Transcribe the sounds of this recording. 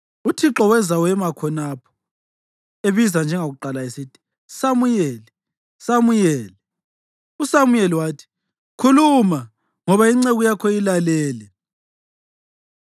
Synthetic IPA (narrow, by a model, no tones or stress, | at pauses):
utʰiǁɔwɛzawɛmakʰɔnapʰɔ̥ | eβizand͡ʒʱɛŋaɣuǃalaesitʰi̥ | samujɛlɛ | samujɛːlɛ | usamujɛliwaːtʰi̥ | kʰuluma | ŋɔβaiŋ͡ǀeɣujakʰɔilalɛːlɛ